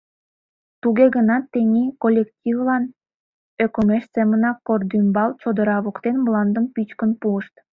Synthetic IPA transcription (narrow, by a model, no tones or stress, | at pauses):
t̪uɣeɣənɑt̪ːenʲikolʲːektʲivlɑn | økomeʃt͡semənɑkord̪ymbɑlt͡ɕod̪əɾɑβokt̪enblɑnd̪əmpyt͡ɕkənpuəʃt̪